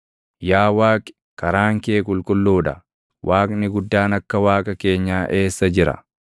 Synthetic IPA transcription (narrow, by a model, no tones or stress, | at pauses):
jaːwaːkʼɪ̥ | kɐɾaːŋkeːkʼʊlkʼʊlːuːᶑɐ | wʔaːkʼnɪɡʊd̪ːaːnɐkːɐwaːkʼɐke̞ːɲːaːʔe̞ːsːɐd͡ʒɪɾɐ̰